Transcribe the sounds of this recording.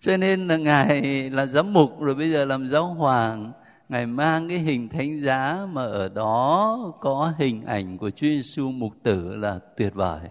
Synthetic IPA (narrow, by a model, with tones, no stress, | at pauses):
t͡ɕɔ˧ne˧nː˨˩ŋaː˨˩jlaː˨˩zaː˨˦mmʊ˨˩k͡p̚zo˨˩jɓə˧jzəː˨˩laː˨˩mzaː˨˦wɦwaː˨˩ŋ | ŋaː˨˩jmaː˧ŋkaː˨˦jɦï˨˩ŋ̟t̪ʰa˨˦jŋ̟zaː˨˦maː˨˩ʔəː˧˩ɗɔ˨˦kɔ˨˦ɦï˨˩ŋ̟ʔa̰˧˩jŋ̟ku˧˩ət͡ɕu˨˦ze˧su˧mʊ˨˩k͡p̚t̪ɨ˧˩laː˨˩t̪wi˨˩ət̚və̰ː˧˩j